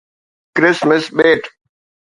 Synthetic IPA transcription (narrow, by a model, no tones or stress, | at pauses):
kɾɪsməsɓeːʈ